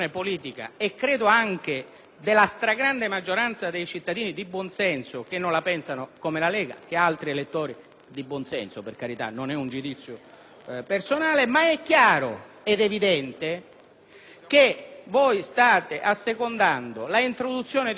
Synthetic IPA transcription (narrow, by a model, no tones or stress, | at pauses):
nepoliːt̪ika̰ekːɾeːd̪oaŋk̟e | d̪elːast̪ɾaɡɾand̪emad͡ʒːoɾant̪sad̪ejt͡ʃit̪ːad̪iːnid̪ibːwɔnsɛnsokenːõnlapɛnsanokomelalɛːɡa̰k̟ealt̪ɾielet̪ːoːɾi | d̪ibwɔnsɛnsoperkaɾit̪a̰nːonɛund͡ʒud̪it̪sːjo | personaːlemaɛkːjaːɾo̰ | ɛd̪evid̪ɛnt̪e | k̟evojst̪aːt̪eʔasːekond̪and̪olaint̪ɾod̪ut̪sːjoːned̪